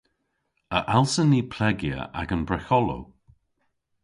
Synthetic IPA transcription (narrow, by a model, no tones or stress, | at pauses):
əʔalˠsəniːpʰlɛɡjə̰ʔa̰ɡənbɹɛxɔlo̰